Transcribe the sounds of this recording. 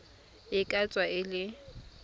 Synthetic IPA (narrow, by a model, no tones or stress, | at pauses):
ɪkʼat͡sʼwaɪlɪ